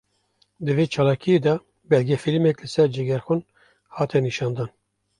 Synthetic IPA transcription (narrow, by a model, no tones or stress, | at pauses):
d̪ɨveːt͡ʃʰɑːlɑːkʰijeːd̪ɑ | bɛlɡɛfilmɛklɨsɛɾd͡ʒɛɡʲɛɾxun | hɑːt̪ʰɛniʃɑːnd̪ɑːn